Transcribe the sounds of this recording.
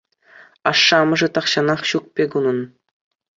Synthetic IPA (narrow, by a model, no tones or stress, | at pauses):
ɑʂːɑmɤ̆ʐɘ̆t̪ɑχɕɑnɑχɕuk̚pʲeɡunɤ̆n